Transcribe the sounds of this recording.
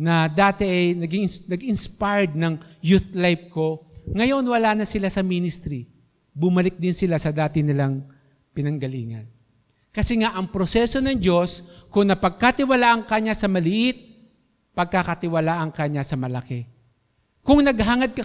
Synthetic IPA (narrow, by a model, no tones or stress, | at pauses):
nɐd̪aːt̪ɛʔɐjnɐɡiŋnɐɡɪnspajd̪̚nɐŋjuθlajb̚ko̞ŋɐjo̞nwɐlaːnɐsɪlasɐminɪst̪ɾi | bʊmɐlɪk̚d̪ɪnsɪlasɐd̪aːt̪ɪnɪlaŋ | pɪnɐŋɡɐlḭːŋɐ̰n | kɐsɛŋaʔɐŋpɾo̞sɛso̞nɐŋd͡ʒo̞skʊŋnɐpɐɡ̚kat̪ɪwɐlaʔɐŋkɐɲasɐmɐlɪʔɪt̪̚ | pɐɡ̚kakɐt̪ɪwɐlaːʔɐŋkɐɲasɐmɐlɐkɛ | kʊŋnɐɡɦaŋɐd̪̚kɐ